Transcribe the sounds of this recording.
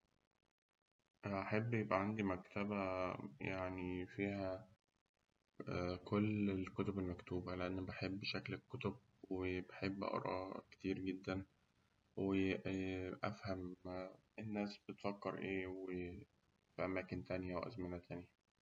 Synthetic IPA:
ʔæʔaħebːjebʔæʕand̪imækt̪æbæjaʕnifiːhæ | kʰolːelkot̪obelmækt̪uːbæleʔenːbeħebːʃæklekːot̪ob̚ | webeħebːʔɑ̰ɾˤɑ̰ːke̥t̪iːɾɡed̪ːæn | we | ʔæfhæm | enːæːsb̚et̪fækːeɾʔeːwe | fiʔæmæːkent̪ænjæʔæwʔæ̰zmænæt̪ʰænjæ

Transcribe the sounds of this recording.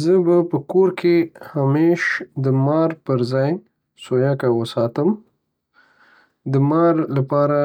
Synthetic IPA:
zəbapəkoɾkʰehameʃd̪əmɑɾpəɾzɑj | sojakawəsɑt̪əm | d̪əmɑɾlapɑɾa

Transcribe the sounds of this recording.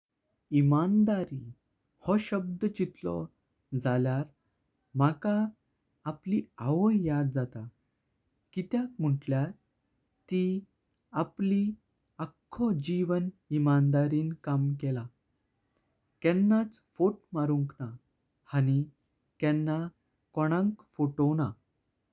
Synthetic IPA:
imand̪aɾi | hɔɕəb̚d̪ət͡ɕit̪lɔ̰ | d͡zaljaɾ | makaː | plia̰ʋəjjad̪̚d͡zat̪a | kit̪jakm̤əʈljaɾ | t̪i | apli | akʰːɔd͡ʑiʋənimand̪aɾiːnkamkɛla | kɛ̃nːat͡sfoʈmaɾuŋkna | hañi | kɛnːa | kɔɽ̃ãŋkfoʈona

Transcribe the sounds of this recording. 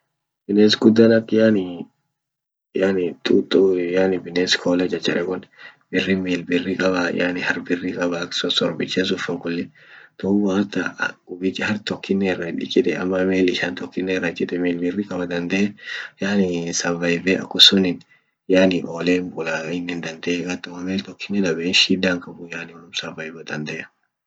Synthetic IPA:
b̥ɪneːsɡʊd̪ːɐnɐkːjaːnɪ | janɪt̪ʼut̪ʼujaːnɪbɪneːskʰoːlɐd͡ʒɐt͡ʃːɐᶑɛkʊnbɪrːɪmiːlbɪrːɪkʼɐbɐ̰janɪhɐɾbɪrːɪkʼɐbɐksɔsɔɾbɪt͡ʃːɛs̬ʊfɐŋkʊlːɛ | t̪ɔwaːt̪ːɐ̰ʊbɪt͡ʃʼːɐhɐɾt̪ɔkːɪnːɛɪrːɐᶑɪt͡ʃʼːɪt̪ɛɐ̰mːɐmeːlɪʃant̪ɔkːɪnːɛrːɐt͡ʃɪt̪ɛmeːlbɪrːɪkʼɐbɐd̪ɐnd̪ejaːnɪsɐvɐjbeʔɐ̰kːʊsʊnɪn | jaːnɪʔoːleːmbʊlaɪnːɛnd̪ɐnd̪eːɡɐt̪ːʊmɐmeːlt̪ɔkːɪnːɛd̪ɐbɛnʃiːd̪ːaːŋkɐbʊjaːnɪwɐlʊmsɐvɐjbɐd̪ɐnd̪ɛɐ̥

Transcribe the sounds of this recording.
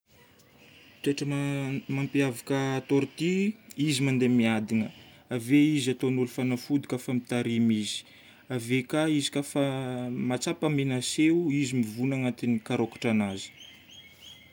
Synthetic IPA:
t̪eʈ͡ʂəmampiavakəːt̪oɾt̪iizimand̪emiad̪inə | aveizat̪onulufanafud̪u̥kafəmit̪aɾimizi̥ | avekaizi̥kafamat͡sapamenaseizimivunaŋat̪inikaɾokḁʈ͡ʂanazi̥

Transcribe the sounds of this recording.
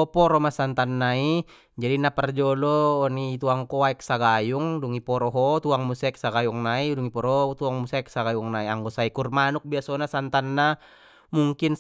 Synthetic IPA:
ɔpɔɾɔmasant̪anːai | d͡ʒadinapɛrd͡ʒɔlɔːnit̪uaŋkɔaɛk̚saɡajuŋduŋipɔɾɔɦɔt̪uaŋmusɛk̚saɡajuŋnaiduŋipɔɾɔt̪uaŋmusɛk̚saɡajuŋnaiaŋɡɔsaikurmanuk̚biasɔnasant̪anːa | muŋkin

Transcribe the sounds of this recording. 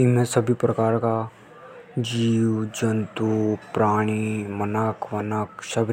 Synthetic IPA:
ɪnmẽsɐbʱipɾɐkaːɾka | d͡ʒiːwd͡ʒɐ̃nt̪upɾaːɽ̃imɐnəkʰʋɐnəkʃɐb

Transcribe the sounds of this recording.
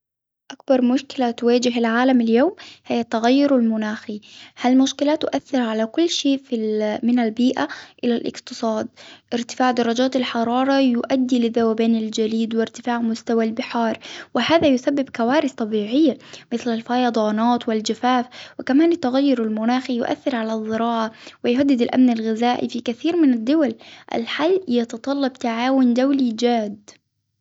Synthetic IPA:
ʔak̚bɑɾˤmʊʃkɪlat̪ʊwaːd͡ʒɪɦɪlʕaːlamɪljoːmhɪjːat̪ːaɣajːʊɾalmʊnaːxihalmʊʃkɪlat̪ːʊʔaθːɪɾʕalakʊlːʃeːfimɪnalbiːʔaʔɪlalʔɪ̰qt̪ɨsˤɑːd̪̚ʔɪɾt̪ɪ̥faːʕd̪ɑɾˤːɑd͡ʒaːt̪alħɑɾˤɑːɾˤɑjʊʔad̪ːilɪðawabeːnɪld͡ʒaliːd̪wɪɾt̪ɪfaːʕmʊst̪awalbɪħɑːɾˤwɪhaːðajʊsabːɪbkawaːɾɪθt̪ˤɑbiːʕɪjːamɪθlalfɑjɑd̪ˤɑːnaːt̪wɪld͡ʒafaːfwɪkamaːnɪt̪ːaɣajːʊɾalmʊnaːxijʊʔa̰θːɪɾʕalazˤːɪɾɑːʕawɪjʊɦad̪ːɪd̪alʔa̰mnalɣɪzaːʔḭfikaθiːɾmɪnad̪ːʊwalʔa̰lħalːjɑt̪ɑt̪ˤɑlːɑbt̪aʕaːwʊnd̪awlid͡ʒaːd̪

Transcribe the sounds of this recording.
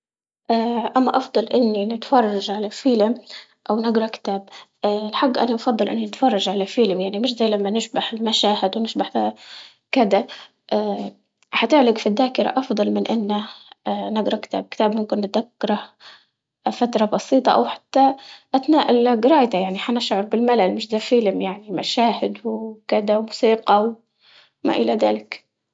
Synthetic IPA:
ʔaʔamːaʔɑfd̪ˤɑlʔɪnːinɪt̪fɑrˤːɑʒʕalafɪlɪm | ʔawnɪɡɾˤɑkɪ̥t̪aːbʔlħaɡːʔa̰naʔɑfɑd̪ˤːɑlʔɪ̰nːinɪt̪fɑrˤːɑʒʕalafɪlɪmjaʕnimɪʃzaːlamːanɪʃbaħɪlmaʃaːhɪd̪wnɪʃbaħa | kɪd̪a | ʔa | ħat̪ɪʕlɪɡfid̪ːaːkɪɾa̰ʔɑfd̪ˤɑlmɪnʔɪnːa | nɪɡɾˤɑkɪ̥t̪ʰa̰ːb̚kɪ̥t̪aːbmʊmkɪnːɪt̪d̪akːɑɾˤɑ | fat̪ɾˤɑbɑsˤiːt̪ˤɑʔa̰wħḁt̪ːaʔat̪naːʔɪlɡɾˤɑːjt̪ajaʕniħanaʃʕɑɾˤbɪlmalalmɪʃd̪afilmjaʕnima̰ʃaːhɪd̪wkɪd̪awmʊsiːqɑw | ma̰ʔɪlaða̰ːlɪk

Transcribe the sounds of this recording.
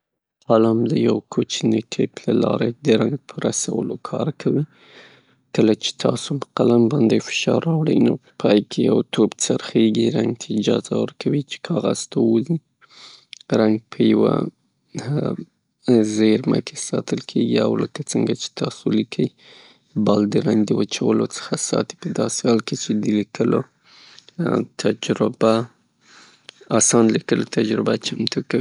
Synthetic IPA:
alɑmd̪əjawkʰot͡ʃniʈʰeplalɑɾed̪əɾaŋɡ̚pʰəɾasawə̰lokʰɑɾkʰawi | kəlat͡ʃe̥t̪ʰɑsoməqalambɑnd̪efɪ̥ʃɑɾːɑwɽə̰jnopəpʰɑjkʰeja̰wt̪ʰobt͡saɾxeɡiɾaŋɡ̚t̪ʰaɪd͡ʒɑzawəɾkʰawit͡ʃe̥kʰɑɣaz̥t̪ʰawuzi | ɾaŋɡ̚pʰəjawa̰ | zeɾmə̰kʰesɑt̪əlkʰeɡia̰wləkat͡səŋɡat͡ʃe̥t̪ɑsolikʰəj | bald̪əɾaŋɡd̪əwət͡ʃawəlot͡sə̥xasɑ̰t̪i̥pəd̪ɑsehɑlket͡ʃed̪əlikəlo | t̪ʰad͡ʒɾɪba | asɑnlikəlot̪ʰad͡ʒɾɪbat͡ʃamt̪ukawi

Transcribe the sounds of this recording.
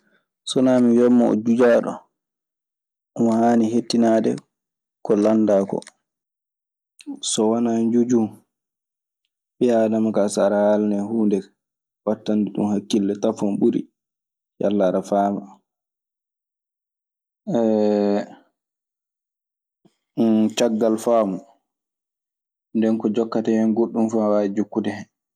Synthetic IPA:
sɔnamijɔmːɔɔ̰d͡ʒud͡ʒaɗɔ̰ | ɔmɔhaːniɦetːinadɛ̰ | kɔlandaːkɔ̰ | sɔwanaɲd͡ʒud͡ʒum | ɓijadamakasaɾahalnɛhuːndɛ | watːanduɗṵmhakːilːɛtafɔnɓuɾḭ | ja̰lːaɾafaːma | ɛ | t͡ʃaɡːalfaːmu | ndɛnkɔd͡ʒɔkːatajɔnɡoɗːumfawaid͡ʒukːudɛhɛn

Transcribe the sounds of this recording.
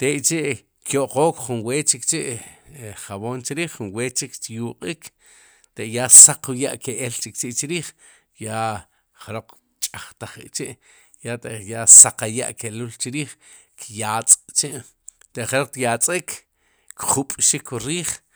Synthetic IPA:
t̪eʔt͡ʃeʔ | kjoʔqoːkχunweːt͡ʃikt͡ʃeʔ | χaβoːnt͡ʃiɾiːχːunweːt͡ʃikt̪juqʼik | t̪eʔjasaquja̰ʔkeʔelt͡ʃik̚t͡ʃiʔt͡ʃiɾiːχ | ja | χeɾoq͡χ | t͡ʃʼaχt̪aχḭt͡ʃiʔ | jat̪eʔjasaqaja̰ʔkelult͡ʃiɾiːχ | kjaːt͡sʼt͡ʃeʔ | t̪eʔχeɾoq͡χ̚t̪jat͡sʼikʰ | kχupʼʃikʰuɾiːχ

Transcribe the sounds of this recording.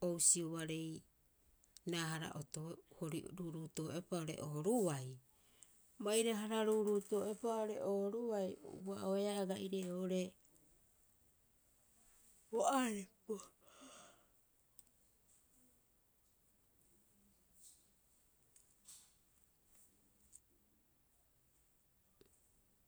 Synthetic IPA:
o̞wsiuβaɾe̞j | naːɦaɾa̰ʔotohoɾiɾuɾutoːepaoɾe̞̰ʔoːɾuwaj | majɾaɦaɾaɾuɾutoe̞paoɾe̞̰ʔoːɾuwaj̰uaʔoeaːɡaʔiɾeoɾe̞ | oʔaɾepo

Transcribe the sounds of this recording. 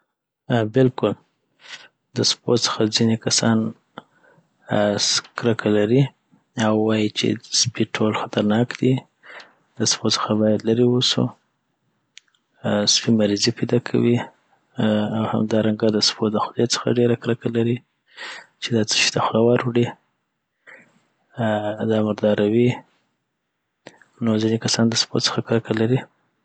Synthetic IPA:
bɪlkʊl | d̪əspot͡sə̥xad͡zinekasɑ̰n | skɾakʰalaɾi | awːɑjit͡ʃḛspiʈʰolxat̪aɾnɑkd̪̥i | d̪əspot͡sə̥xabɑjad̪laɾiwusṵ | spimaɾizipajd̪ɑkʰa̰wi | awha̰md̪ɑɾaŋɡad̪əspod̪əxʊd̪et͡sə̥xa̰ɖeɾakɾakalaɾi | t͡ʃed̪ɑt͡sə̥ʃi̥t̪axlawɑɾwɽi | d̪ɑmaɾd̪ɑɾawi | nozinekasɑnd̪əspo̰t͡sə̥xakɾakalaɾi

